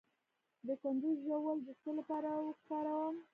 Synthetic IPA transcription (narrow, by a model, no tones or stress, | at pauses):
d̪əkʊnd̪ʊzʒawəld̪əst̪olapɑɾawəxpɑɾawəm